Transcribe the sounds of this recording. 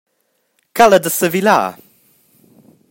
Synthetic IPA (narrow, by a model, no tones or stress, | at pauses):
kʰaləd̪əsəvila̰ː